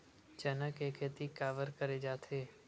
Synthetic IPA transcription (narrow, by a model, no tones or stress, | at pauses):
t͡ʃənəkeːkeːt̪ikaːʋəɾkəɾed͡ʒaːt̪ʰeː